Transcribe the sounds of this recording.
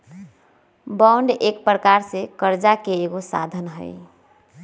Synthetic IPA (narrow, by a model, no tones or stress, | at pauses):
bɔɳɖek̚pɾəkaɾsekəɾd͡ʒakeːɡosa̰d̪ʱənɦə̰ɪ